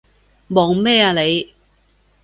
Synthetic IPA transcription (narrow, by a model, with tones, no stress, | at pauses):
mɔː˨˩ŋmɛː˥˩aː˧le˨˧j